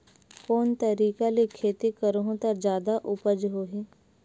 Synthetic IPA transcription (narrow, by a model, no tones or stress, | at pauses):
koːnt̪əɾiːkalekʰeːt̪ikəɾɦõt̪ɐɾd͡ʒjaːd̪aʔʊpəd͡ʒɦoːɦeː